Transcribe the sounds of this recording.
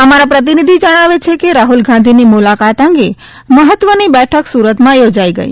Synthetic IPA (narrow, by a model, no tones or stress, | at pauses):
əmaɾapɾət̪̬inid̪ʱid͡ʒəɽ̃aʋet͡ʃʰekeɾaɦulɡãnd̪ʱinimulakat̪ə̃ŋɡe | məɦət̪ʋənibɛʈʰəksuɾət̪mãjod͡ʒaiɡə̰ḭ